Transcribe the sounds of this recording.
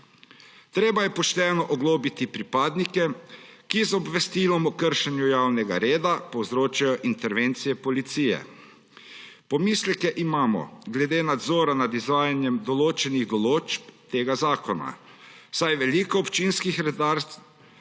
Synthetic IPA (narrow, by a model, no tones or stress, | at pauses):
t̪ɾeːbajɛpɔʃt̪ɛːnɔʔɔɡloːbit̪ipɾipaːd̪nikɛkizɔbʋɛst̪ilɔmɔkəɾʃɛnjujaːwnɛɡa̰ɾeːd̪apɔwzɾoːt͡ʃajɔʔint̪ɛɾʋent̪sijɛpɔlit̪siːjɛ̰ | pɔmiːslɛkɛʔimaːmɔ̰ɡlɛd̪eːnad̪zɔːɾanad̪izʋaːjanjɛmd̪ɔloːt͡ʃɛniɣd̪ɔloːd͡ʒpt̪eːɡazaːkɔna̰ | sajʋɛlikɔːpt͡ʃinskixɾɛd̪aɾ